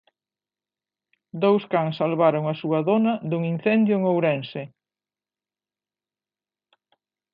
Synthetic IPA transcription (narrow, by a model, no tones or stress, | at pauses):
d̪owskaŋsalβaɾoŋɐsuɐðonɐðuŋin̟θɛnd̪jʊeŋowɾɛnse